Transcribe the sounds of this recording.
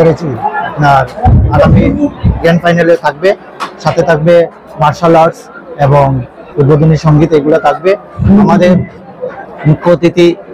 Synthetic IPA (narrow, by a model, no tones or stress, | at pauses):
eɾet͡ɕʰinaɾaɡamiɡenfajnalet̪ʰak̚be | ʃat̪ʰet̪ʰak̚be | maɾʃalɔɾseboŋ | ud̪̚bod̪ʱoniʃɔŋɡit̪eɡulat̪ʰak̚be | amad̪eɾ | mukʰːot̪it̪i